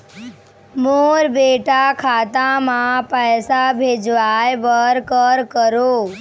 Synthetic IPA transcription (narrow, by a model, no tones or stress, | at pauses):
moːɾbeːʈakʰaːt̪ãmãpəjsabʱeːd͡ʒʋajʋəɾkəɾkəɾoː